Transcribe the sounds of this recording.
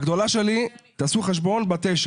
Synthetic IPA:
ɡd̪o̞laʃelit̪aːsuχeʃ̬bo̞nbat̪eʃ

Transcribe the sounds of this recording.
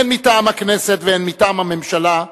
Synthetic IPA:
enmitaːmhaknese̞t̪veenmitaːmhame̞mʃala

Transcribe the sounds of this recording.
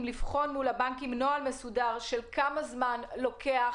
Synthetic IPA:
mlifχo̞nmulabaŋkimnoalme̞sudaʁʃelkamazmanlo̞kʰea

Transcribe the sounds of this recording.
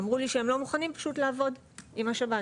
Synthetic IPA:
mʁuliʃeemlomuχanimpḁʃutlaːvo̞d | imaʃaba

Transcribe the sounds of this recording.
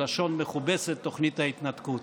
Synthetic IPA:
aʃo̞nmeχubeset̪ːo̞χnit̪hait̪nat̪kut̪

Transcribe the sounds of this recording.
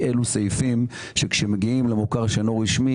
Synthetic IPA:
ʔelusejfim | ʃekʃemeɡiimlemokaʁʃanoʁiʃmi

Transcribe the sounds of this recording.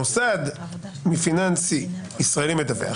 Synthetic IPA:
usad̪ | mifinãnsiisʁaelimed̪avḛ

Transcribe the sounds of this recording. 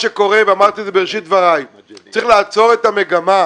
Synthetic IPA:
ʃeko̞ʁeveamaʁt̪izebeeʃit̪̚vaʁaj | aɐʁiχlaːt͡so̞ʁet̪ameɡama

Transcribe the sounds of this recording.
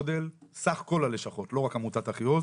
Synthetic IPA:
de̞lsaχko̞laleʃaχo̞tlo̞ʁakamutataχijoz

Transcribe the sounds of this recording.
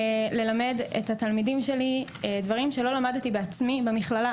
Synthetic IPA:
le̞lame̞dḛthat̪almidimʃe̞lidvaʁimʃe̞lo̞lamadt̪ibeat͡smibemiχlala

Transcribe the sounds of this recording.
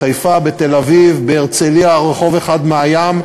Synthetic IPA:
ajfabet̪elavivbeːʁt͡seliaʁeχo̞veχad̪meajam

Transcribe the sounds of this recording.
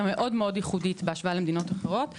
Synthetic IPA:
ame̞ʔo̞dmeo̞d̪jiχudit̪beaʃvaalemd̪ino̞taχeʁo̞t̪

